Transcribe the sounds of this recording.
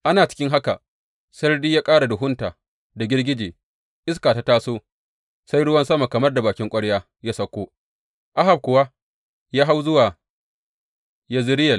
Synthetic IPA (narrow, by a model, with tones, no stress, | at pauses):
ʔa˦naː˨t͡ʃɪ̥˦kʲɪ˦ŋɦa˦ka˨ | sɐ˦rdiː˦jaː˦kʼaː˦ɽa˨dʊ˨ɦʊ˦ntaː˨ | da˨ɡʲɪ˦rɡʲɪ˦d͡ʒeː˨ | ʔɪ˦skaː˨ta˦taː˦soː˦ | sa˦jɽʊ˦wɐ˦nsɐ˦ma˨kɐ˨mɐ˦rda˨baː˨kʲɪ˦ŋkʷʼɐ˦ɽjaː˦ | jaː˦sɐ˦kʷoː˦ | ʔa˦ɦa˨b̚kʷʊ˨wa˦ | jaː˦ɦa˦wzʊ˦waː˨ | ja˦zɪ˦ɾɪ˦jɐ˨l